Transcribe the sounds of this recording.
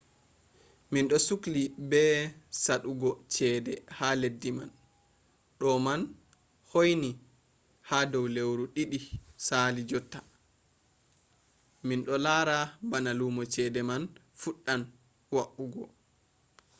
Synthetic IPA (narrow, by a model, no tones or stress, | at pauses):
minɗɔsuklibɛsaɗuɡɔt͡ʃɛːdɛhaledːima̰n | ɗɔman | hojni | hadɔwlewɾuɗiɗisaːlid͡ʒɔtːḁ | minɗɔlaːɾabanalumɔt͡ʃɛdɛman | fuɗːan | waʔuɡɔ